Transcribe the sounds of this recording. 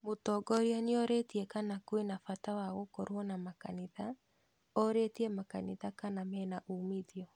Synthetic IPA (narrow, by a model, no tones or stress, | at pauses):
motɔɡɔɾjaniɔɾetiɛkanakwenafatawaɣokoɾwɔnamaka̰niða | ɔɾetiɛmakaniðakanamɛnaʔumiðiɔ